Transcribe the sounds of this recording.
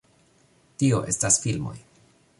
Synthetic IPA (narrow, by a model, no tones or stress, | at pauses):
tio̞ʔe̞stasfilmo̞̰j